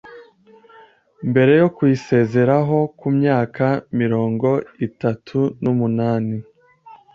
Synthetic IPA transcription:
mbe̞ɾe̞jo̞kuise̞ze̞ɾaɦo̞kumɲaːkamiɾo̞ːŋɡo̞itatʰunumunaːni

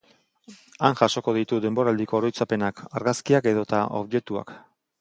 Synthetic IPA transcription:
aŋʝaʃo̞ko̞ð̞it̪uðe̞mbo̞ɾald̪iko̞ːɾo̞jt͡sape̞nakaɾɣaskiake̞ðo̞t̪ao̰βʝe̞t̪ua̰k

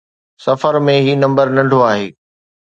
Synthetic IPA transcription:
sɐfəɾmẽɦiːnɐ̃mbəɾnɐ̃ɳɖʱoaːɦeː

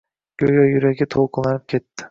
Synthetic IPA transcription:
ɡ̥ʲøjajʊɾaɡʲat̪ʰolˠqʰɨlˠanɪp̚kʲʰe̞t̪ʰːɪ̥

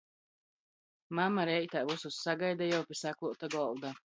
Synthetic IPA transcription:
mamaɾɛjt̪aːvususːaɡajd̪ajawpʲisæklˠuɔt̪aɡɔlˠd̪a

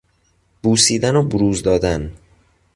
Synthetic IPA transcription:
b̥uːsiːd̪ænobuɾuːzd̪ɒːd̪æn

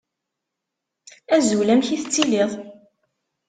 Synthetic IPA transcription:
æzulæmçiθt͡sːiliðˤ

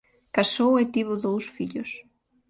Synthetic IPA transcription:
kasowet̪iβʊðowsfiʎʊs

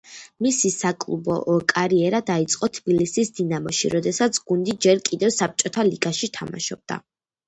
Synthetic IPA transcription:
misisakʼlˠṵbɔ̰ʔkʼaɾiɛɾad̪ait̪sʼqʼɔt̪ʰbilisisd̪inamɔʃḭɾɔd̪ɛsat̪sʰɡ̥und̪id͡ʒɛɾkʼid̪ɛvsap̚t͡ʃʼɔt̪ʰaliɡaʃit̪ʰama̰ʃɔb̥̚d̪̥a̰

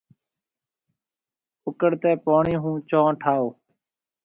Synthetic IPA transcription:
ʊkəɽt̪ɛːpoːɳiːɦũːt͡ʃõːʈʰaːoː

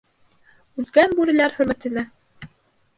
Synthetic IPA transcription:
ʉlkænbʉɾɘ̆læɾχɵ̆ɾmæ̆t̪ɘ̆næ

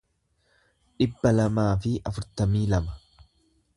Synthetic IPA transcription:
ᶑɪbːɐlɐmaːfɪʔɐfʊɾt̪ɐmiːlɐmɐ̥

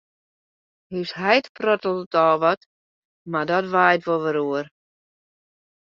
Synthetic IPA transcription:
hyshɛjtprɔtəl̩ˠdətɔːʋɔt | madɔtʋajtʋolˠʋəɾuər

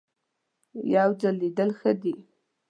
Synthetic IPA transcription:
jawd͡zəlid̪əlxəd̪i

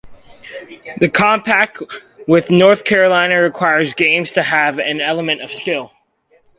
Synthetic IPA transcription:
ðɨkʰɑ̃mpʰæk̚twɪðnɔɹθkʰɛɹɨlãɪ̃nɨɹɨkʰw̥aɪə˞zɡẽɪ̃mz̥tʰɨɨvɨ̃nɛlˠəmɨ̃ñtʌv̥skɪlˠ

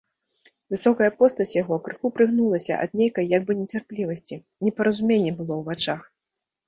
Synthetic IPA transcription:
vɨsɔkɐjɐpɔst̪ɐsʲjaɣɔkɾɨxupɾɨɣnulˠɐsʲɐ̰ʔɐ̰d̪nʲejkɐjːaɡ̚bɨnʲɛt͡sʲarplʲivɐsʲt͡sʲi | nʲɛpɐɾɐzumʲenʲːɛbɨlˠɔwvat͡ʂax

